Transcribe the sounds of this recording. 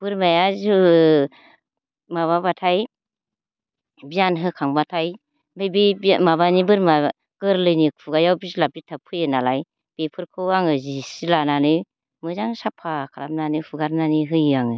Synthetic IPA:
b̥ɯɾmajazu | maβabatʰaj | bianɦɯkʰaŋbatʰaj | bejbibmaβanibɯɾma | ɡ̥ɯɾlɯjnikpʰuɡajawbizlap̚itʰapʰɯjɯnalaj | b̥epʰɯɾkʰɯwaŋɯzisilananɯj | mɯzaŋsapʰakʰaɾamnanɯpʰuɡaɾnaniɦɯjɯaŋɯ

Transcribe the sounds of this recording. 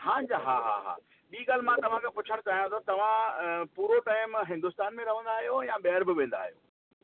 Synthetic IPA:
hãːɲd͡ʑaɦaɦa̰ɦa̰ː | ɓiːɡaːl̤ɪmãt̪ɐʋ̤ãkʰepʊt͡ɕʰəɽ̃t͡ɕaːɦijãt̪ɐt̪ɐʋ̤ãpuːɾoʈaːɪmɦɪ̃nd̪ʊst̪aːnmẽɾɐʋ̤ə̃nd̪aːɦijojãɓɛɦəɾbɪʋẽːnd̪a̰ːɦijo̰ː

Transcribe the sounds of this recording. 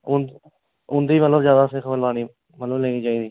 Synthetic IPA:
ʊn | ʊnd̪iːmət̪ləbzjaːd̪aːsɪkʰbəlaːniː | mət̪ləbleːɡiːt͡ʃaːiːd̪iː

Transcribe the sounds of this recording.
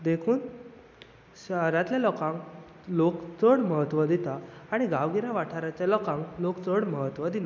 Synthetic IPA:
d̪ekʰuːn | ɕəɦɾat̪ljalɔkãŋk | lokt͡səɽməɦət̪ʋəd̪it̪aaɽ̃iɡaʋɡiɾãʋaʈʰaɾat͡ɕjalɔkãŋklokt͡səɽməɦət̪ʋəd̪ina

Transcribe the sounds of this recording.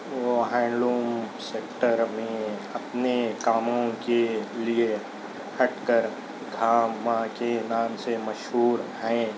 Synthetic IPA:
ʋoɦɛ̃ːɳɖɾuːmseːkʈəɾmẽɐpnekaːmõkelie | hɐʈkəɾ | ɡʱaːmãkenãːmsemɐʃɦuːɾɦɛ̃ː

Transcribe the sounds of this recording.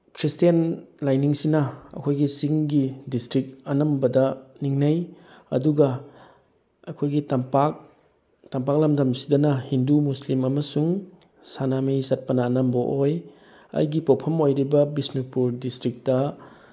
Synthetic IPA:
kʰɾistijanlajniŋsinɐɐ̰kʰojɡisiŋɡidistɾik̚ɐnɐmbɐdɐniŋnɐjɐ̰duɡɐ | ɐkʰojɡitɐmpak̚ | tɐmpak̚lɐmdɐmsidɐnɐhindumuslimɐmɐsuŋ | sanamijsɐt̚pɐnɐːnɐmbɐʔoj | ɐ̰jɡipowpʰɐmojɾibɐbisnipuɾdistɾik̚tɐ

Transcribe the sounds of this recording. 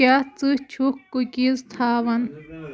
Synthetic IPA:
at͡sɨt͡ʃʰukːukʲizt̪ʰaːʋɐn

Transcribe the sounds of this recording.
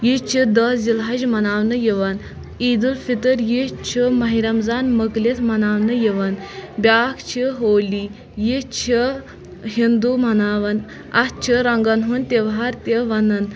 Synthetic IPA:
jit͡ʃʰid̪əd͡zilɦaʑmɐnaʋnəjeʋɐn | id̪ulfit̪əɾjet͡ɕʰimɐɦiɾamd͡zanməklet̪ʰmɐnaʋnəjeʋənbʲakʰt͡ɕʰiɦoli | jet͡ɕʰə | ɦind̪umɐnaʋɐn | att͡ɕʰəɾaŋɡanɦuːnt̪eʋɦaɾt̪eʋɐnɐn

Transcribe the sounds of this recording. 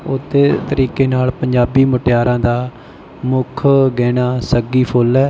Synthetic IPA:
ʊt̪ʰːeːt̪əɾiːkeːnaːlpəɲd͡ʒaːbiːməʈɪjaːɾãːd̪aː | mʊkʰɡɛːnaːsəɡiːpʰolɛː

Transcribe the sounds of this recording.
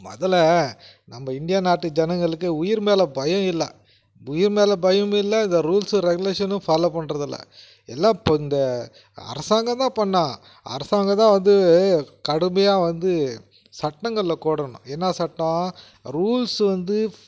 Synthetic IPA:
mɔ̰ðɐlɐ | nɐmːɐɪnd̪ɪjaːnaːʈːɯd͡ʒɛnɐŋɡɐɭɯkːɯʊjɪɾmeːlɐbɐjɐ̃ɪlːɐ | ʊjɪɾmeːlɐbɐjɐ̃mɪlːɐɪnd̪ɐɾuːlsɯɾɛɡɯleːʂɐnɯ̃faːloːpɐɳːɾɐðɪlːɐ̰ | ɛ̰lːãːpɪnd̪ɐ | ɐ̰ɾɐsaːŋɡɐt̪ãːpɐɳːãː | ɐ̰ɾɐsaːŋɡɐt̪ãːʋɐnd̪ɯkɐɽɯmbɐjaːʋɐnd̪ɯ | sɐʈːɐŋɡɐɭlɐkoːɽɐɳʊ̰̃eːnːaːsɐʈːɐ̃ | ɾuːlsʋɐnd̪ɯ

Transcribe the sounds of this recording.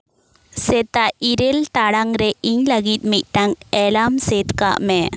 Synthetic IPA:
sɛt̪aiɾɛlt̪aɽaŋɾɛʔiɲləɡit̪̚ˀmit̪̚ˀʈaŋɛlamsɛt̪ka̰ʔmɛ

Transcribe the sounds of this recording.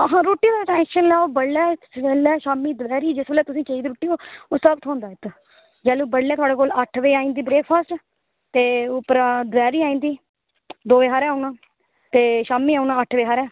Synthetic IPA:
ɦãːɾoːʈːiːd̪aʈɛ̃ːŋʃənlaːoːbəɽːɛːsʋeːlɛːʃaːmiːd̪ʋɛːɾiːd͡ʒɪsʋeːlɛːt̪ʊsĩːt͡ʃəiːd̪ɾoːʈːiːoːoːsəbt̪ʰɦɔ̃ːnd̪aːɪt̪ | d͡ʒɛːluːbəɽːɛːt̪ʊaːɽeːkoːləʈʰʋeːaːĩːnd̪iːbɾeːk̚ʰpʰaːsʈ | t̪eːʊpːəɾad̪ʋɛːɾiːaːĩnd̪iː | d̪oːʋeːɦaːɾɛːʊnãː | t̪eːʃaːmiːaːunãːəʈʰʋeːɦaːɾɛː

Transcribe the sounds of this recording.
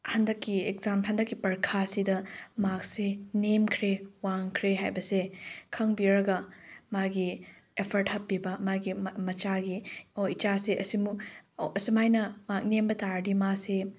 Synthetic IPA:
hɐndɐkːiekzamhɐndɐkːipɐɾkʰasidɐmak̚senemkʰɾewaŋkʰɾeɦajbɐsekʰɐŋbiɾɐɡɐmaɡi | epʰɐɾthɐpːibɐmaɡimɐt͡ʃaɡioit͡ʃaseʔɐsimuɐsimajnɐmak̚nembɐtaɾdimase

